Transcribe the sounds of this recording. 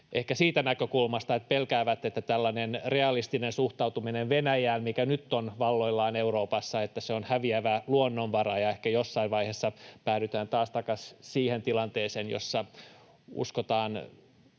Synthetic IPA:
ʔehkæsiːt̪ænækøkulmɑst̪ɑet̪̚pelkæːʋæt̪ːet̪ːæt̪ælːænenreɑlist̪inensuht̪ɑut̪umineʋʋenæjæːmmikænyt̪ːonʋɑlːo̞ilːɑːneuroːpɑsːɑet̪ːæseonhæʋiæʋæluonːonʋɑrɑjɑehkæjosːɑiʋʋɑihesːɑpæːɾyt̪æːnt̪ɑːst̪ɑkɑssiːhent̪ilɑnt̪eːseːnjo̰sːɑ | ṵskot̪ɑːn

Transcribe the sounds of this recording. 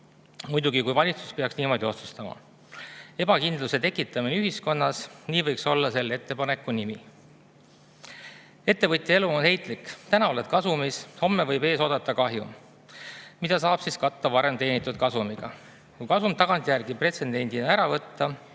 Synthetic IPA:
mujd̪uɡ̥ikujvɑlʲit̪su̥speɑksniːmo̞d̪io̞t̪su̥st̪ɑmɑ̰ | e̞b̥ɑkind̪luse̞t̪e̞kːˑit̪ːˑɑminyɦisko̞nːɑsniːvɤjkso̞lːɑse̞lːe̞t̪ːe̞pɑne̞kːˑunimi | e̞t̪ːe̞vɤt̪ʲˑjee̞luo̞nhe̞jt̪ˑlikt̪ænɑo̞led̪̥kɑsumisho̞mːevɤjbe̞ːso̞ːd̪̥ɑt̪ːˑɑkɑɦjṵ | mid̪̥ɑsɑːb̥siskɑt̪ˑːɑvɑɾe̞mt̪e̞ːnit̪ːˑud̪̥̚kɑsumiɡ̥ɑ | kujkɑsumt̪ɑɡ̥ɑnt̪ʲˑjærɡipre̞t̪se̞nd̪e̞nʲd̪̥inɑæɾɑvɤt̪ːɑ

